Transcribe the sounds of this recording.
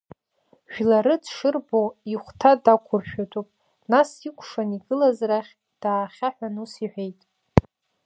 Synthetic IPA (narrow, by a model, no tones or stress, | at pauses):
ʒᶣlaɾɨdʂɨrboiχʷtʰadakʷʰʊrʃᶣatʷʼupʼ | nasikʷʰʂaniɡɨlazraχʲ | d̥aːχʲaħʷᶣanusiħʷᶣejtʼ